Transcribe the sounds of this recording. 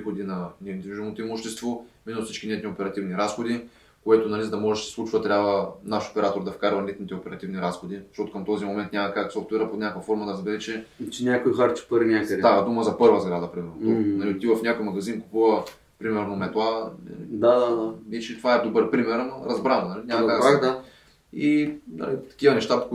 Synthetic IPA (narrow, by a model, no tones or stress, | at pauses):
xod̪inɐnɛnd̪iviʒuɛmnot̪oimoʃt̪ɛst̪vominosit͡ʃkʲinɛt̪niopɛɾɐt̪ivniɾasxod̪i | koɛt̪ʊnɐlizɐd̪ɐmɔʒɛʃd̪sɛ̥slˠut͡ʃvɐt̪ɾʲjabvənaʃo̥pɛɾat̪oɾd̪ɐfkaɾvɐlɛt̪nit̪ɛopɛɾɐt̪ivniɾasxod̪iz̥ʃtɔt̪okɐmt̪ɔzimomɛ̃nt̪nʲamɐkaksɔft̪vɛɾəpot̪nʲakkvɐfɔɾmɐd̪ɐɾɐzbɛɾɛt͡ʃɛt͡ʃɛnʲakojxaɾt͡ʃɛ̥pəɾinʲakəd̪d̪ad̪uməzɐpɤɾvɐzɡɾad̪ɐpɾimɛɾnod̪onɐlit̪ivɐfnʲakojmɐɡɐzinku̥puvɐ | pɾimɛɾnomɛt̪lˠanɐ̰id̪ad̪ad̪anit͡ʃt̪ovaɛd̪obɤɾpɾimɛɾamɐɾɐzbɾannɐlinʲamɐk̪akɡ̪d̪ | inɐ̰lit̪ɐ̥kʲivɐnɛʃt̪apo̥